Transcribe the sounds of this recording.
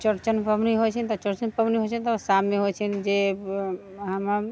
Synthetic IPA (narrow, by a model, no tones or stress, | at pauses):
t͡ʃəɾt͡ʃənpəbniɦot͡ʃʰɛnt̪ɔt͡ʃəɾt͡ʃənpəbniɦot͡ʃʰɛnt̪ɔsamːeɦot͡ʃʰɛnd͡ʒe | ɦəmə